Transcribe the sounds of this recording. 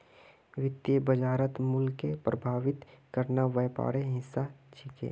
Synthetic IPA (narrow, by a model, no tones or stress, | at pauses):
ʋɪt̪jəbəd͡ʒaːɾət̪mʊlkepɾəbʱaːʋɪt̪kəɾnaʋɛːpa̰ːɾeɦɪsːat͡ʃʰɪkḛː